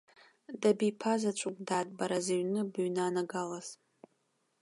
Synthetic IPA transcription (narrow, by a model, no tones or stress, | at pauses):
dabipʰazat͡ʃʷʼʊkʼdaːdʼbaɾaziɥnɨbɥnaːnaɡalaz̥